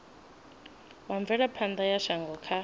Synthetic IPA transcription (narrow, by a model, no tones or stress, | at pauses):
waɱb̪vɛɺapʰand̪ajaʃaŋɡɔkʰa